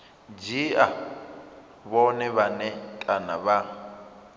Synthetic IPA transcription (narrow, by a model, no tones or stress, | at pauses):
d͡ʒia | βɔnɛβanɛtʼana̰βa